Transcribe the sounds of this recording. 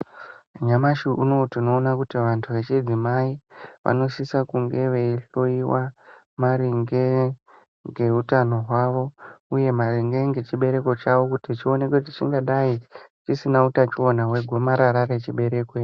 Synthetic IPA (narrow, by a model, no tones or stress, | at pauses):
ɲamaʃiʔuno̞tino̞ːnakutiʋantʰuʋe̞t͡ʃid͡zimaiʋa̰no̞sisakuŋɡe̞ʋe̞iɬoiwa | maɾiŋɡe | ŋɡe̞ɦutano̞ɦwaʋo̞uje̞mariŋɡe̞ŋɡe̞t͡ʃiɓe̞ɾe̞ko̞t͡ʃaʋo̞kutit͡ʃio̞ne̞kwet̬it͡ʃiŋɡaɗait͡ʃisinautat͡ʃio̞naɦwe̞ɡʱomaɾaɾaɾe̞t͡ʃiɓe̞ɾe̞kwe